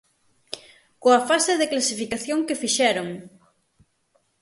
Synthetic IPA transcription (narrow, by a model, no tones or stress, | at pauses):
koɐfasɪðɪklasifikaθjoŋkɪfiʃɛɾoŋ